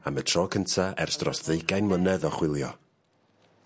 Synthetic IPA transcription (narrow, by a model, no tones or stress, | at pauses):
amətʰrɔːkʰəntʰaɛrsd̥rɔsðejɡajnmənɛðɔχwɪlˠjɔ